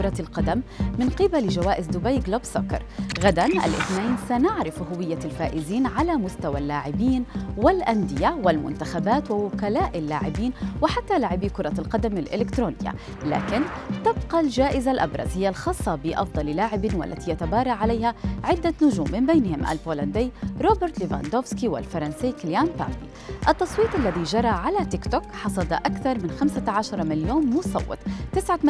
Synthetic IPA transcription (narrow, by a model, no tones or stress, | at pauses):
kʊɾˤɑlqɑd̪amːɪnqɪbalɪʒawaːʔɪzd̪ʊbajɡlabsʊkɑɾˤɣad̪anʔa̰lʔɪθnaːnsanaʕɾɪfɦʊwɪjːalfaːʔɪziːnʕalamʊst̪awalːaːʕɪbiːnwɪlʔand̪ɪjawɪlmʊ̰nt̪axabaːt̪wɪwʊkalaːʔɪlːaːʕɪbiːnwɪħat̪ːalaːʕɪbikʊɾˤɑlqɑd̪amɪlʔɪlɪkt̪ɾuːnɪjːa̰ | la̰ːkɪnt̪ɪb̚qɑld͡ʒaːʔɪzalʔa̰bɾˤɑ̰zhɪjːalxɑːsˤːɑbɪʔɑ̰fd̪ˤɑllaːʕɪbɪwa̰lːa̰t̪ijat̪abɑːɾˤɑʕalajhaʕɪd̪ːanʊʒuːmːɪmbejnhɪmʔa̰lboːland̪iːɾˤoːbɪɾt̪lɪva̰nd̪oːfskiwɪ̰lfɑɾˤɑnsiːkɪljanpa̰ːd̪ḭ | ʔɑt̪ːɑsˤwiːt̪ˤʔalːaðiʒɑɾˤɑʕalat̪ɪkt̪ʊkħɑsˤɑd̪ʔakθɑɾˤmɪnxamsaʕaʃɑɾˤɑmɪljoːnːʊsˤɑ̰wːɪ̰t̪ˤt̪ɪsʕa